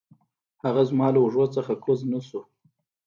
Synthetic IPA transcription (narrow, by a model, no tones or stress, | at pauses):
haɣazmɑlaʊʐwot͡səxakʰoznasu